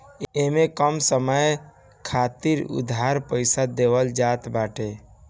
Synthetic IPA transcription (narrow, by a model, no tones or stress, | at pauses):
emekəmsəməj | kʰat̪iɾṵd̪ʱaɾpəɪsad̪ewəld͡ʒat̪baʈe